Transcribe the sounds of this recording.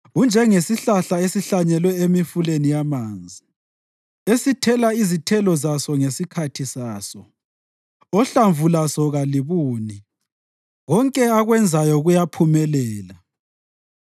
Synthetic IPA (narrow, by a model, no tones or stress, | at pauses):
und͡ʒʱɛŋesiɬaɬaesiɬaɲɛlwɛemifulenijamaːnd͡zʱi | esitʰɛlaizitʰɛlɔzasɔŋesikʰatʰisaːsɔ | ɔɬaɱvʱulasɔɣaliβuːni | ɣɔŋkʼɛaɣwɛnd͡zʱajɔɣujapʰumɛlɛːla